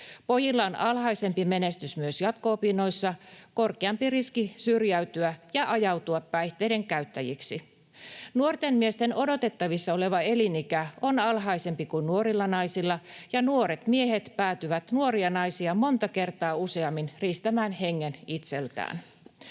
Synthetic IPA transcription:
po̞jilːɑonɑlhɑise̞mpime̞ne̞st̪ysmyøsjɑt̪koːpinːo̞isːɑkorkeɑmpiriskisyrjæyt̪yæjɑʔɑjɑwt̪uɑpːæjht̪eide̞ŋkæyt̪ːæjiksi | nuort̪emmiest̪eno̞do̞t̪e̞t̪ːɑʋisːɑole̞ʋɑe̞linikæo̞nɑlɦɑise̞mpikunnuoɾilːɑnɑjsilːɑjɑnuoɾet̪mieɦet̪pæːt̪yʋæt̪nuoɾiɑnɑisiɑmo̞nt̪ɑke̞rt̪ɑːuseɑmːinriːst̪æmæːnheŋːenit̪se̞lt̪æ̰ːn

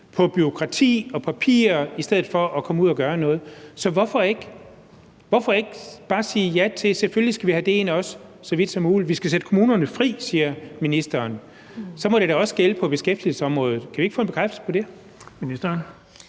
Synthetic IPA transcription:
pʰɒ̽b̥yʁo̝kʰʁɑ̈t͡sʰḭːɒ̽pʰæpʰḭːɐisd̥eð̞̰̩ˠfɒ̽ʔɒ̽kʰɒ̽muð̰ˠɐɡ̥ɶːɐnɔ̽ːð̞̩ˠsɒ̽ʋɒfɒ̽eɡ̥ | ʋɒfɒe̝ɡ̥b̥ɑ̈ːsiːjæt͡sʰe̝seføllisɡ̥æʋihæd̥e̝e̝nɒ̽ssɒʋid̥sɒmːuːliʋisɡ̥æsed̥ə̥kʰo̝muːnɐnəfʁḭːsiːɐminisd̥ɐːn | sɒ̽mɒ̽ɾ̥eɾ̥æɒ̽sɡ̥eləpʰɒ̽b̥e̝sɡ̥efd̥il̩səɒ̽mʁɔːð̞̩ˠkʰæʋie̝ɡ̥fɔ̰ːnb̥e̝kʰʁafd̥sl̩pʰɒ̽d̥e̝ | minisd̥ɐn

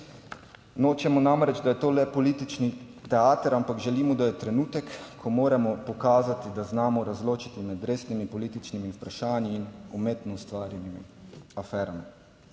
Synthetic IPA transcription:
noːt͡ʃɛmɔnamɾɛd͡ʒd̪ajɛt̪oːlɛpɔliːt̪it͡ʃnit̪ɛaːt̪əɾampakʒɛliːmɔd̪ajɛt̪ɾɛnuːt̪ɛkkʰːɔmoːɾɛmɔpɔkaːzat̪id̪aznaːmɔɾazloːt͡ʃit̪imɛd̪ɾeːsnimipɔliːt̪it͡ʃnimiupɾaʃaːnjiːnumeːt̪nɔust̪ʋaːɾjɛnimiafɛːɾami

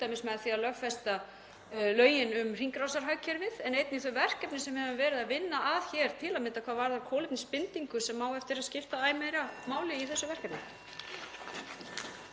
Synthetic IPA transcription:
t̪ajmɪsmɛðaθialœɣfɛst̪a | lœːɥjɪnʏmr̥iŋkɾawsaɾ̥ɦaːɥcʰɛɾvɪðɛnejt̪nɪiθœɥjvɛr̥kɛpnɪsɛmvɪhɛvɪmvɛːɾɪðaðvɪnːaʔaðçɛɾ̥t̪ʰɪlamɪnt̪akʰvaːðvaːɾθaɾkʰɔːlɪp̪nɪspɪnt̪iŋkʏsɛmːaːwɛft̪ɪɾaðscɪft̪aaːjmɛɾamaːwlɪiθɛsːʏvɛr̥kɛpnɪ

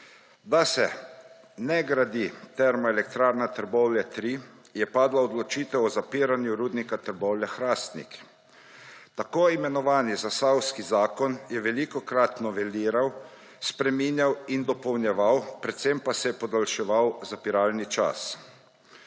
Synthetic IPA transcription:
d̪asɛ | nɛɡɾad̪it̪ɛɾmɔɛlɛkt̪ɾaːɾnat̪əɾbɔwljat̪ɾi | jɛpaːd̪laɔd̪lɔt͡ʃiːt̪ɛwɔzapiːɾanjuɾuːd̪nikat̪əɾbɔwljaxɾaːst̪nḭk | t̪akoːimɛnɔʋaːnizasawskizaːkɔnjɛʋɛlikɔkɾat̪nɔʋɛliːɾaw | spɾɛminjawind̪ɔpɔwnjɛʋawpɾɛt̪sempasɛjɛpɔd̪alʃɛʋawzapiɾaːlnit͡ʃa̰s

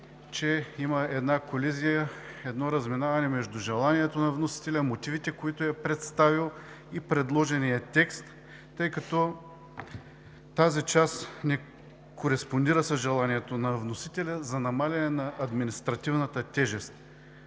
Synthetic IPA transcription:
t͡ʃɛiməɛd̪nakolizijəɛd̪nɔɾɐzminavɐnɛmɛʒd̪ʊʒɛlˠaniɛt̪onɐvnosi̥t̪ɛlʲəmot̪ivit̪ɛkoit̪ʊɛpɾɛt̪st̪avilˠ | ipɾɛd̪lˠɔʒɛnijət̪ɛkst̪ː | ɤjkɐt̪ɔ | t̪azit͡ʃasnɛ | koɾɛspond̪iɾəsɐzʒɛlˠaniɛt̪onɐvnosit̪ɛlʲəzɐnɐmalʲɐnɛnɐʔɐd̪minist̪ɾɐt̪ivnət̪ət̪ɛʒɛst̪

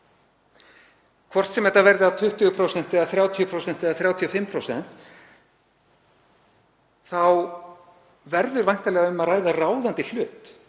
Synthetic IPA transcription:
kʰvɔr̥t̪sɛmɛt̪ːavɛɾðɪat̪ʰʏht̪ʏɣʏpʰɾowsɛnt̪ɛɣaθɾjaːwt̪ʰiʏpʰɾowsɛnt̪ɛɣaθɾjaːwt̪ʰiœfɪmpʰɾowsɛ̰n̥t̪ | θaw | vɛɾðʏɾvajŋ̥t̪alɛːɣaʏmaðraːjðaraːwðant̪ɪl̥ʏːt̪

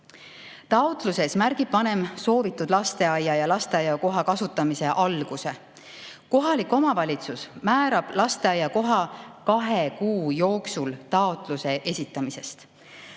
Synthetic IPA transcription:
t̪ɑot̪ˑluse̞smæɾɡ̥ib̥̚pɑne̞mso̞ːvit̪ːˑud̪̥lɑst̪e̞ɑjːɑjɑlɑst̪e̞ɑjːɑko̞ɦɑkɑsut̪ːˑɑmise̞ʔɑlɡ̥use̞ | ko̞ɦɑlikːˑo̞mɑvɑlʲit̪susmæːɾɑb̥lɑst̪e̞ɑjːɑko̞ɦɑkɑɦekuːjo̞ːksult̪ɑot̪ˑluse̞ʔe̞sʲit̪ːˑɑmise̞st̪

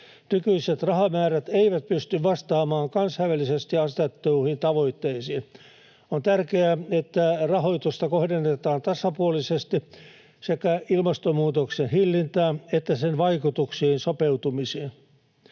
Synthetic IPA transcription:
nykyiset̪rɑhɑmæːræt̪eiʋæt̪̚pyst̪yʋʋɑst̪ɑːmɑːŋkɑnsɑiʋælːisest̪iɑst̪et̪ːoihint̪ɑʋoit̪ːeisiːn | ont̪ærkeæet̪ːærɑhoit̪ust̪ɑkohdenːet̪ɑːnt̪ɑsɑpuolisest̪i | sekæilmɑst̪omuːt̪oksenhilːint̪æːet̪ːæsenʋɑikut̪uksiːnsopeut̪umisiːn

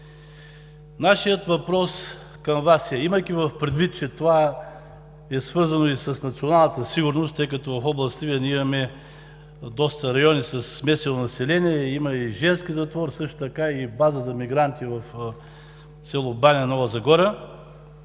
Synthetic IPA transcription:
naʃijət̪vɐpɾɔs | kɐmvasɛimɐjk̟ivɐfpɾɛd̪vit̪̚t͡ʃɛt̪ova | ɛsvɤɾzɐnoisɐsnɐt̪sionalˠnət̪əsiɡʊɾnost̪ːɤjkɐt̪ɔvɐfɔblˠɐst̪iviɛnʲɛimɐmɛ | d̪ɔst̪əɾɐjɔnisɐsmɛsɛnonɐsɛlɛniɛimɐiʒɛnskizɐt̪vɔɾsɤʃt̪ʊ̥t̪ɐkaibazəzɐmiɡɾant̪ivɐf | sʲɛlˠobanʲɛnɔvəzɐɡɔɾə

